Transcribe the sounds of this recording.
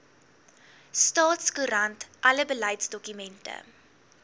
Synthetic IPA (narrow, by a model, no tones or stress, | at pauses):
stɑːtskuɾɐntʔɐləbəlɐjtsdɔkymɛntə̰